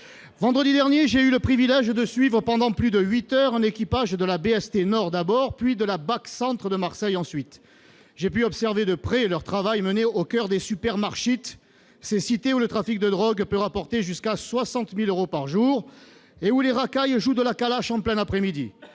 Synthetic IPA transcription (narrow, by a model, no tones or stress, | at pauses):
vɑ̃d̪ʁəd̪id̪ɛʁnjeʒeyləpχivilɛʒd̪əsɥivʁəpɑ̃d̪ɑ̃plyd̪əɥit̪œʁɛ̃nekʲipaʒd̪əlabeɛst̪enɔʁd̪abɔʁpɥid̪əlabaksɑ̃t̪χəd̪əmaʁsɛjɑ̃sɥit̪ | ʒepyɔpsɛʁved̪əpχɛlœʁt̪χavajməneokʲœʁd̪esypɛʁmaʁʃit̪ | sesit̪eulət̪χafik̚d̪əd̪ʁɔɡpøʁapɔʁt̪eʒyskaswasɑ̃t̪miløʁopaʁʒuʁeuleʁakajʒud̪əlakalaʃɑ̃plɛnapχɛmid̪i